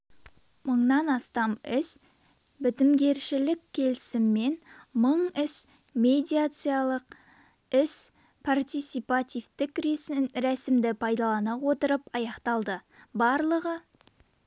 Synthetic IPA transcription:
məɴnɑnɑst̪ɑmɪs | bɪt̪ɪmɡʲe̞ɾʃɪlɪkʲʰːe̞lɪsɪmːe̞nməɴɪs | mʲe̞d̪ʲijat̪sɨjalˠəq | ɪs | pʰart̪ʲijt̪sijpat̪ʲijft̪ɪkɾæsɪmd̪ɪpʰɑjd̪ɑlˠɑnɑwo̞t̪əɾəpɑjɑqt̪ɑlˠd̪əbɑɾlˠəʁə

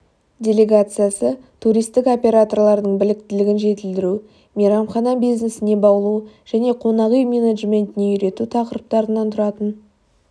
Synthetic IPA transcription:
dʲe̞lʲe̞ɡat̪sɨjasət̪ʰuɾijst̪ɪko̞pʲe̞ɾat̪o̞rlˠɑɾd̪əɴbɪlɪk̚t̪ɪlɪɡʲɪnʒe̞t̪ɪld̪ɪɾu | mʲiɾɑmχɑnɑbijznesɪne̞bɑwlˠuʒ̥æne̞qʰo̞nɑʁijmʲe̞neʒmʲe̞nt̪ɪne̞ʏɾe̞t̪ut̪ʰɑqəɾəp̚t̪ɑɾənɑnt̪ʰʊɾɑt̪ən

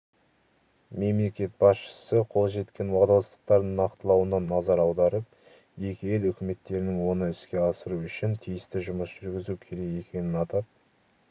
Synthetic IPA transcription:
me̞mle̞kʲe̞t̪̚bɑsʃə̥səqʰo̞lˠʒe̞t̪kʲʰe̞nwɑd̪ɑlˠɑst̪ə̥q̚t̪ɑɾd̪ənɑqt̪əlˠɑwənɑnːɑzɑɾɑwd̪ɑɾəp̚ | je̞kʲɪjelʏkʲɪme̞t̪ːe̞ɾɪnɪŋwo̞nəɪskʲe̞ɑsəɾuʏʃɪnt̪ʰijɪst̪ɪʒʊməsʒʏɾɡʲɪzukʲʰe̞ɾe̞ke̞kʲe̞nɪnɑt̪ɑp̚

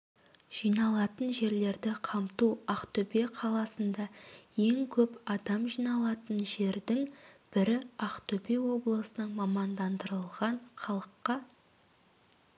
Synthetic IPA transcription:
ʒ̥ijnɑlˠɑt̪ənʒe̞ɾle̞ɾd̪ɪqʰɑmt̪uɑqt̪ʰɵpeqʰɑlˠɑsənd̪ɑje̞ŋkʲʰɵpɑd̪ɑmʒijnɑlˠɑt̪ənʒe̞ɾd̪ɪŋb̥ɪɾɪɑqt̪ɵpe̞wo̞blˠəsənəɴmɑmɑnd̪ɑnd̪əɾəlˠʁɑɴχɑlˠəqːɑ

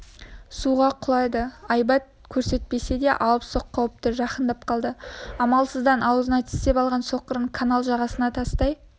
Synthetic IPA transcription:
suʁɑqʰʊlˠɑjd̪əɑjbɑt̪̚kʲʰɵɾse̞t̪̚pe̞se̞d̪e̞ʔɑlˠəpso̞qʰːɑwəp̚t̪ɪʒɑqənd̪ɑp̚qʰɑlˠd̪əɑmɑlˠsəzd̪ɑnʔɑwəzənɑt̪ʰɪ̥st̪e̞pɑlˠʁɑnso̞qəɾəɴkʰanalˠʒɑʁɑsənɑt̪ʰɑst̪ɑj

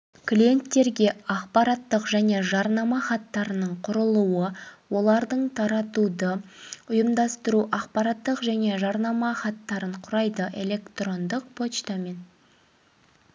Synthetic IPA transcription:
klʲije̞nt̪ːe̞ɾɡʲe̞ɑqpɑɾɑt̪ːəqʒæne̞ʒɑɾnɑmɑχɑt̪ːɑɾənəɴqʰʊɾəlˠuwəwo̞lˠɑɾd̪əɴt̪ʰɑɾɑt̪ud̪əʊjəmd̪ɑst̪əɾuʔɑqpɑɾɑt̪ːəqʒæne̞ʒɑɾnɑmɑχɑt̪ːɑɾəɴqʰʊɾɑjd̪əʔe̞̰le̞kt̪ro̞nd̪əq̚pʰo̞t͡ʃt̪ɑme̞n

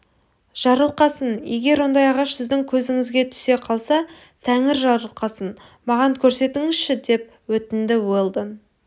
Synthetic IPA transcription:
ʒ̥ɑɾəlˠqɑsənje̞ɡʲe̞ɾwo̞nd̪ɑjɑʁɑʃsɪzd̪ɪŋkʲʰɵzɪŋɪzɡʲe̞t̪ʰʏ̥se̞qʰɑlˠsɑ | t̪ʰæŋɪɾʒɑɾəlˠqɑsən | mɑʁɑŋkʲʰɵɾse̞t̪ɪŋɪzʃɪd̪e̞p̚wɵt̪ɪnd̪ɪwelˠd̪ən

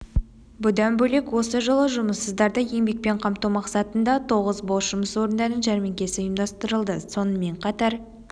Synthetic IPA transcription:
bʊd̪ɑnbɵle̞kwo̞səʒəlˠəʒʊməsːəzd̪ɑɾd̪əje̞mbe̞k̚pe̞ɴqʰɑmt̪uwmɑqsɑt̪ənd̪ɑt̪ʰo̞ʁəzbolˠʃʒʊməswo̞ɾənd̪ɑnənʒæɾmeŋkʲe̞sɪəjəmd̪ɑst̪əɾəlˠd̪əso̞nəme̞ɴqʰɑt̪ɑɾ

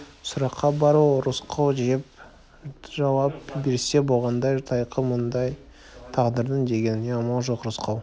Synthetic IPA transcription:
sʊɾɑqʰːɑbɑɾuɾʊsqʰɑwʒiep | ʒɑwɑp̚be̞ɾse̞bo̞lˠʁɑnd̪ɑjt̪ʰɑjqʰəmənd̪ɑj | t̪ʰɑʁd̪əɾd̪ənd̪e̞ɡʲe̞neɑmɑlˠʒoqɾʊsqʰɑw

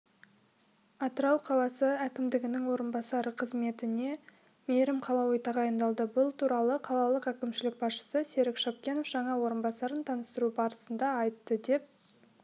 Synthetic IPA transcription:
ɑt̪əɾɑwqʰɑlˠɑsəækʲɪmd̪ɪɡʲɪnɪŋwo̞ɾənbɑsɑɾəqʰəzme̞t̪ɪne̞ | me̞ɾɪmqʰɑlˠɑwijt̪ɑʁɑjənd̪ɑlˠd̪əbʊlˠt̪ʰuɾɑlˠəqʰɑlˠɑlˠəqækʲɪmʃɪlɪk̚bɑsʃə̥səseɾɪkʃɑp̚kʲe̞no̞fʒ̥ɑɴɑwo̞ɾənbɑsɑɾənt̪ʰɑnəst̪əɾubɑɾəsənd̪ɑɑjt̪ːəd̪e̞p̚

